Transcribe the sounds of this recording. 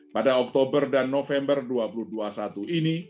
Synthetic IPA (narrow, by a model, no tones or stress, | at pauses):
padaɔk̚t̪obərdanːofɛmbərduapuluhduasat̪uʔini